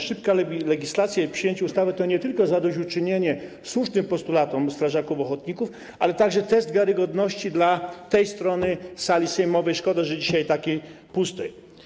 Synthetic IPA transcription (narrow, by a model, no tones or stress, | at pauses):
ʂɘpkalɛɡʲislat̪sʲjapʂɨjeɲt͡ɕɛust̪avɛt̪ɔɲɛt̪ɘlkɔzad̪ɔɕut͡ʂɘɲeɲɛ | swuʂnɘmpɔst̪ulat̪ɔmst̪ɾaʐakufɔxɔt̪̚ɲikuf | alɛt̪aɡʐɛt̪ɛsd̪vʲjɛɾɘɡɔd̪nɔɕt͡ɕid̪lat̪ɛjst̪ɾɔnɘsalʲisɛjmɔvɛjʂkɔd̪aʐɛd͡ʑiɕajt̪akʲej | pust̪ɛj